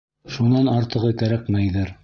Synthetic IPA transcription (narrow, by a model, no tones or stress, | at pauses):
ʃunɑnɑɾt̪ɤ̆ʁɤkæɾækmæjðɘɾ